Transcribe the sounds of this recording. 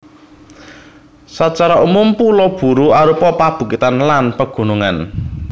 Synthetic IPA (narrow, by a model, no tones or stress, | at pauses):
sat͡ʃaɾaʔumumpulɔb̥ṳɾuaɾupɔpab̥ṳkit̪anlanpəɡ̥ṳnuŋan